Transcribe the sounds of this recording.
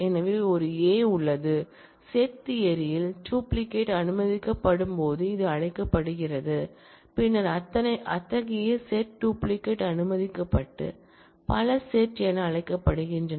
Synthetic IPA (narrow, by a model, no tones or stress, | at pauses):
ɛnɐʋɪɔɾɯeːʊɭːɐðɯ | seːt̪ːɪjɐɾɪjɪlʈuːplɪkːeːʈɐnɯmɐðɪkːɐpːɐɽɯmpoːðɯɪðɯɐɻɐɪkːɐpːɐɽɯɣɪrɐðɯ | pɪnːɐɾɐt̪ːɐnɐɪʔɐt̪ːɐɣɪjɐseːʈʈuːplɪkːeʈɐnɯmɐðɪkːɐpːɐʈːɯ̰ | pɐlɐseːʈːɛnɐɐɻɐɪkːɐpːɐɽɯɣɪndrɐn